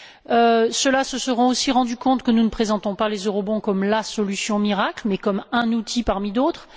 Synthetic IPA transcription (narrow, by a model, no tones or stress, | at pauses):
øsəlasəsəʁɑ̃osiʁɑ̃d̪ykɔ̃t̪kənunəpχezɑ̃t̪ɔ̃palezøʁɔbɔ̃kɔmlasɔlysjɔ̃miʁaklmɛkɔmɛ̃nut̪ʰipaʁmid̪ot̪χ